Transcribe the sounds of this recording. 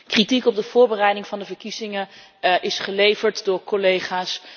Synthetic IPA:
kritikɔb̚dəv̥ʊːɹbərɛjdɪŋvɑndəvəɹkizɪŋə | ʔɪsχəlejvəɹtdʊːɹkolejχaːs

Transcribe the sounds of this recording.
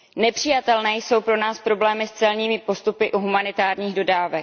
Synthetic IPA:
nɛpr̥ɪjat̪ɛlnɛːjso̞wpɾo̞naːspɾo̞blɛːmɪst͡sɛlɲiːmɪpo̞st̪upɪʔuɦumanɪt̪aːɾɲiːɣdo̞daːvɛk

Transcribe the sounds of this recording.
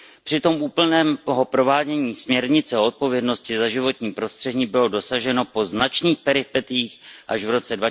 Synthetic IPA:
pr̝̥ɪt̪o̞mʔuːpl̩nɛːmoɦo̞pɾo̞vaːɟɛɲiːsmɲɛɾɲɪt͡sɛoot̪̚po̞vjɛdno̞scɪzaʒɪvo̞t̪ɲiːpɾo̞st̪r̥ɛdɲiːbɪlo̞do̞saʒɛno̞po̞znat͡ʃniːxpɛɾɪpɛt̪ɪjiːxʔaʒvɾo̞t͡sɛdva

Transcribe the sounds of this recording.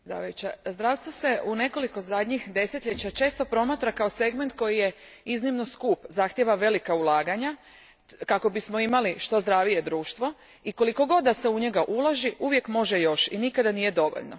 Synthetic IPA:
zɾa̰ʋajut͡ɕazd̪ɾaːʋst̪ʋose̞une̞ko̞liko̞zad̪ɲixd̪e̞set̪ʎʲet͡ɕat͡ʃe̞ːst̪o̞pɾo̞mat̪ɾakao̞se̞ɡme̞nt̪̚ko̞jijeiznimno̞skuːpzaxt̪jeʋaʋe̞likaulˠaːɡaɲa | kako̞bismo̞imaliʃt̪o̞zd̪ɾaːʋije̞d̪ɾuːʃt̪ʋo̞ | iko̞liko̞ɡo̞d̪d̪ːaseuɲe̞ɡaʔulaʒiʔuʋje̞kmo̞ʒejo̞ʃinikad̪anije̞d̪o̞ʋo̰ʎno̰

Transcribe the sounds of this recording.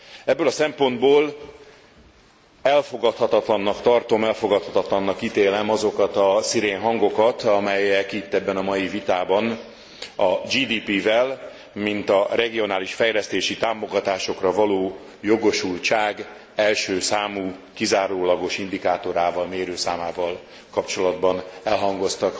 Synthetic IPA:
ɛbːøːlɒsɛmpo̞nd̪boːl | ɛlfo̞ɡɒt̪hɒt̪ɒt̪lɒnːɒkt̪ɒrt̪o̞mɛlfo̞ɡɒt̪hɒt̪ɒt̪lɒnːɒkːit̪eːlɛmɒzo̞kɒt̪ɒsiɾeːnɦɒŋɡo̞kɒt̪ɒmɛjɛkit̪ːɛbːɛnɒmɒjivit̪aːbɒn | ɒd͡ʒiːd̪iːpivɛl | mint̪ɒrɛɡio̞naːliʃfɛjlɛst̪eːʃit̪aːmo̞ɡɒt̪aːʃo̞krɒvɒloː | jo̞ɡo̞ʃult͡ʃaːɡ | ɛlʃøːsaːmuːkizaːɾoːlɒɡo̞ʃind̪ikaːt̪o̞ɾaːvɒlmeːɾøːsaːmaːvɒl | kɒpt͡ʃo̞lɒd̪bɒnɛlɦɒŋɡo̞st̪ɒk

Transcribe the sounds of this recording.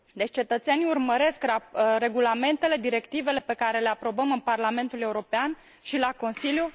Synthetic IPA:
d̪e̞t͡ʃʲt͡ʃe̞t̪ət̪se̞niurməɾe̞skɾe̞ɡulame̞nt̪e̞le̞d̪iɾe̞kt̪ive̞le̞pe̞kaɾe̞le̞apɾo̞bəmɨnparlame̞nt̪ule̞uɾo̞pean | ʃilako̞nsilju

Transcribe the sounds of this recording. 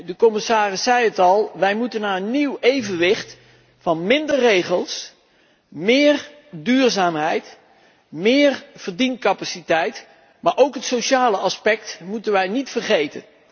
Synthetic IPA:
dəkɔmɪsaːrɪsːɛjətɑlˠʋɛjmutənaːənːiwejvənʋɪχt | fɑnmɪndərːejχəlˠs | mɪːr | dyːɹzaːmɦɛjt | mɪːrv̥əɹdinkɑpasitɛjt | maːɹʔowkɦətsowʃaːləʔɑspɛk̚tmutənʋɛjnitfərχejtə̰n

